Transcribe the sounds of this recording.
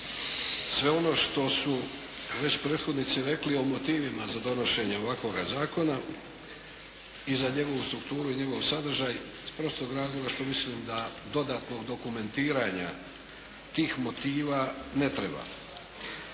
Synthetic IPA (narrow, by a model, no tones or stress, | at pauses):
sʋe̞o̞no̞ːʃt̪o̞su | ʋe̞t͡ɕpɾeːt̪xo̞d̪nit̪siɾe̞klio̞mot̪iːʋimazad̪o̞no̞ʃe̞ɲeo̞ʋakʋo̞ɡazaːko̞na | izaɲe̞ɡo̞ʋust̪ɾukt̪uːɾuiɲe̞ɡo̞ʋsad̪r̩ʒaːj | spɾo̞st̪oɡɾaːzlˠo̞ɡaʃt̪o̞misliːmd̪ad̪o̞d̪at̪no̞ɡd̪o̞kume̞nt̪iːɾaɲa̰ | t̪iːxmo̞t̪iːʋaːne̞t̪ɾe̞ba̰